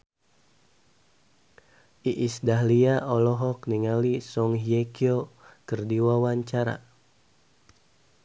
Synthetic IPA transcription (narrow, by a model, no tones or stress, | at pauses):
ʔiʔisdaɦliaʔɔlɔɦɔk̚niŋalisɔŋɦiekiokɨrdiwawaɲt͡ʃaɾa̰